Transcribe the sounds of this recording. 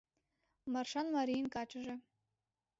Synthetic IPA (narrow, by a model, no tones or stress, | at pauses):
mɑrʂɑnmɑɾʲijnkɑt͡ɕə̆ʒɘ̆